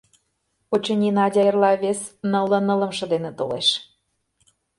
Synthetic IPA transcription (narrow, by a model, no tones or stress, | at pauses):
ot͡ɕɤnʲinɑdʲɑjərlɑβesnɤlˠɤ̆nɤ̆lə̆mʃɤ̆d̪enet̪oleʃ